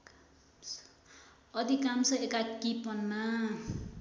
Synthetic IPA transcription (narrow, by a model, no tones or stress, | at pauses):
k | ʌd̪ikamsʌekakipʌnːa